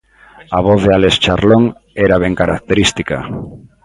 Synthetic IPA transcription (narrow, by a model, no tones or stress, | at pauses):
aβ̞oθðealest͡ʃaɾloŋ | ɛɾaβ̞ɛŋkaɾak̚t̪eɾist̪ika̰